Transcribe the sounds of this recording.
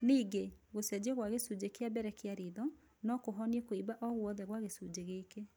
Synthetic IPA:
niːɡeɣosɛd͡ʑeɣwaɣesud͡ʑekeabɛɾɛkeaɾiðɔ | nɔkoɦɔniekoibaʔɔɣwɔðɛɣwaɣesud͡ʑeɣeːke

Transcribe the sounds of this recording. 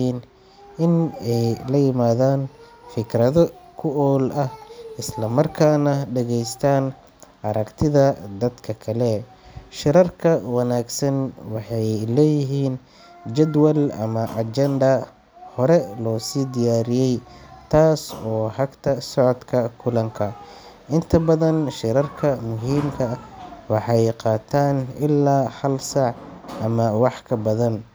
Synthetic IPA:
iːn | ʔɪnɛjlɐjɪmaːðaːnfɪkɾɐðɔkʰʊɔːlʔɐhɪslɐmɐrkʰaːnɐɖɐɣɛjst̪ʰaːn | ʔɐɾɐkt̪ʰɪðɐd̪ɐd̪kʰɐkʰɐlɛ | ʃɪɾɐrkʰɐwɑnaːɡsɐnwɑħɑjlɛːjɪɦiːn | d͡ʒɛd̪wɐlɐ̰mɐʔɐt͡ʃɛnd̪ɐ | hɔɾɛlɔːsiːd̪ɪjaːɾɪjɛjt̪ʰaːsɔːhɐɡt̪ʰɐsɔʕɔd̪kʰɐkʰʊlɐŋkʰɐ | ʔɪnt̪ʰɐbɐðɐnʃɪɾɐrkʰɐmʊɦiːmkʰɐwɑħɑjqɑːt̪ʰaːnɪlːaːhɐlsɑʕʔɐmɐwɑħkʰɐbɐðɐn

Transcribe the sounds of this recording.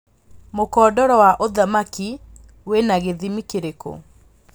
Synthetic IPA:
mokɔːdɔɾɔwaʔoðamaki | wenaɣeðimikeɾeko̰

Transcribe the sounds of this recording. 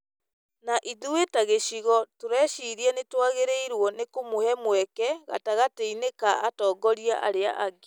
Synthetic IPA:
naʔiðuwetaɣeɕiɣɔtoɾɛʃiɾiɛnetwaɣeɾeiɾwɔnekomohɛmwɛkɛɣa̰taɣateinekaʔatɔːɡɔɾiaʔa̰ɾea̰ʔaɡe

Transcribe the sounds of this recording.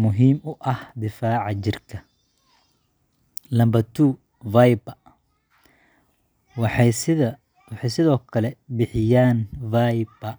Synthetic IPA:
mʊɦiːmʊʔɐhd̪ɪfaːʕɑt͡ʃɪrkʰɐ | lɐmbɐt̪ʰuː | vajbɐ | wɑħsɪ | wɑħɛjsɪðɔːkʰɐlɛbɪħɪjaːnvajbɐ

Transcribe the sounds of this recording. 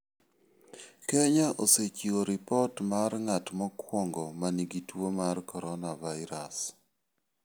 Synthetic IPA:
kɛɲaʔoset͡ʃioɾɪpɔtmarŋatmɔkwɔŋɡɔmaniɡitwomarkɔɾɔnavaɪɾas

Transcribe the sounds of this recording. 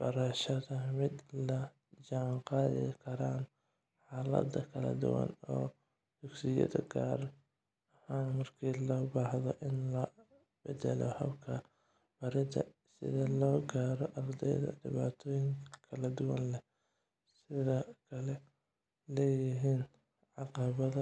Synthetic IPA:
b̥ɐɾɐʃɐðɐmɪd̪lɐ | t͡ʃɐʕnqɑːðɪ̰kʰɐɾaːn | ħaːlɐ̰d̪ɐkʰɐlɐ̰d̪ʊ̰wɐ̰nɔː | d̪̥ʊɡsɪjɐ̰ðɐ̰ɡaːr | ɐhaːnmɐrkʰiːlɔːbaːhðɔʔɪnlɐ | bɛd̪ɛlɔhɐ̰bkʰɐ | bɐɾɪd̪ɐ̰ | sɪ̰ðɐlɔːɡaːɾɔʔɑrd̪ɛ̰jðɐ̰ɖɪβaːt̪ʰɔːjɪŋkʰɐkʰɐlɐd̪ʊwɐnlɛ | sɪðɔkʰɐlɛ | lɛːjɪɦiːn | ʕɑqɑβɐðɐ

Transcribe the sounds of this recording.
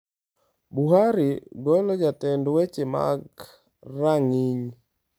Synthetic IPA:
buɦaɾiɡɔjlɔd͡ʒatɛndwet͡ʃema̰ɡ | raŋiɲ

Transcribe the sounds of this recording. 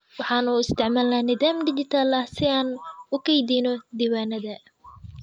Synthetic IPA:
wɑħɑːnuːɪst̪ʰɛʕmaːlaːnɪðaːmɖɪt͡ʃɪt̪ʰaːlɐhsɪaːnʊkʰɛjd̪iːnɔd̪iːwaːnɐðɐ

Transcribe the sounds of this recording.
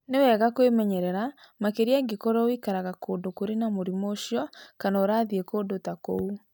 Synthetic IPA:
newɛːɣakwemɛɲɛɾɛɾa | makeɾiaɡekɔɾɔwikaɾaɣakoːndokoɾenamoɾimoʃiɔkanaːɾaðiekoːndotakou

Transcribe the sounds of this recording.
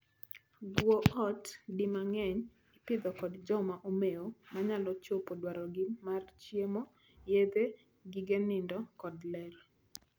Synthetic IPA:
ɡwoʔɔtdɪmaŋɛɲ | ipɪd̪ɔkɔdd͡ʒɔmaʔomeomaɲalɔt͡ʃopodwaɾɔɡɪmart͡ʃjemo | jed̪e | ɡɪɡenɪndɔkɔdlɛɾ

